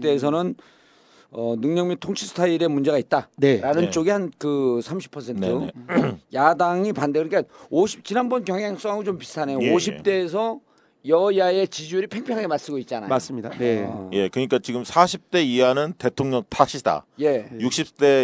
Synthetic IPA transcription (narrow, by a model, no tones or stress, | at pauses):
t͈eːs̬ʰʌnɯn | ʌnɯŋɲʌŋmitʰoŋt͡ɕʰisʰtʰaiɾe̞mund͡ʑe̞ɣait̚t͈aneɾanɯnt͡ɕ͈oɡihankɯsʰamɕʰi̥pʰːʌs̬ʰe̞ntʰɯ | jadaŋipandeɡɯkaoɕʰi̥p̚t͡ɕinanbʌnkjʌŋjaŋs͈oaɡot͡ɕompistʰane̞jooɕ̬ʰit͈e̞ːs̬ʰʌ | jʌjae̞t͡ɕid͡ʑuɾipʰe̞ŋpʰjʌŋaɡemas͈ɯɡoit̚t͡ɕ͈anajoas͈mɲidaje̞kɯɲik͈at͡ɕiɡɯmsʰaɕʰip̚t͈e̞ianɯnte̞tʰoŋɲʌŋtʰaɕʰidʰa̰je̞juk̚ɕ͈ʰip̚t͈e̞